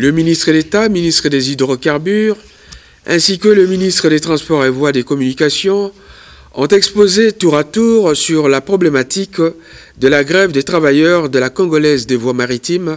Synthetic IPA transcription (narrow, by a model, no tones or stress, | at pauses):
ləminist̪χəd̪et̪aminist̪χəd̪ezid̪ʁokaʁbyʁ | ɛ̃sikələminist̪χəd̪et̪χɑ̃spɔʁevwad̪ekɔmynikasjɔ̃ | ɔ̰̃t̪ɛkspozet̪uʁat̪uʁsyʁlapχɔblemat̪ik | d̪əlaɡʁɛvd̪et̪χavajœʁd̪əlakɔ̃ɡɔlɛzd̪evwamaʁit̪im